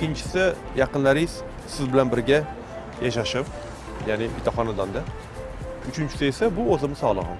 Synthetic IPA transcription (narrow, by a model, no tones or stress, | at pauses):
ɪɪnt͡ʃʰɪ̥sɪ | jɑqɨnlaɾɪjz̥ | sɪzbɪlanbɪɾɡʲa | jaʃaʃɪp | janɪbʲɪt̪ʰɒχɒnad̪ɒnd̪a | ʊt͡ʃʰɪnt͡ʃʰɪ̥sɪesabʊɵzɪmɪsɒlˠɨ̰ʁɑ̰n